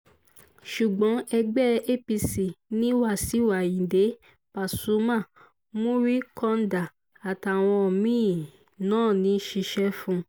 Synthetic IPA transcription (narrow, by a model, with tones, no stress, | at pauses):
ʃu˨ɡ͡bɔ̃˨˦ɛ˧ɡ͡bɛ˦e˦pi˧si˨nĩ˦wa˦˨si˨˦wa˨jĩ˨de˨˦ | pa˨su˨˦mã˦˨ | mõ˦ɾi˦kɔ̃˧n˦da˨ | a˨ta˨w̃ɔ̃˧ɔ˨mĩː˦˨ | nãː˦˨nĩ˨˦ʃi˧ʃɛ˦fũ˧˦